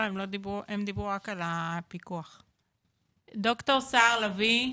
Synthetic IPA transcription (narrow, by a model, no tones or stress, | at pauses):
emlo̞d̪ibuʔemd̪ibʁuʁakalapikuaχ | d̪o̞kt̪oʁsaːʁlavi